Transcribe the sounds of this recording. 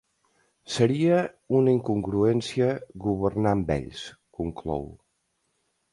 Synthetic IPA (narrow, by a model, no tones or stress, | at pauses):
səɾiə | unəiŋkuŋɡɾuɛnsiəɣuβ̞ərnambɛ̰ʎskuŋklɔ̰w